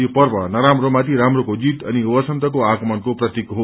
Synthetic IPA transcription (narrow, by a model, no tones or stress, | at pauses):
opʌrbʌnʌɾamromat̪iɾamrokod͡zit̪ʌniubʌsʌnt̪ʌkoakmʌnkoprʌt̪ikɦo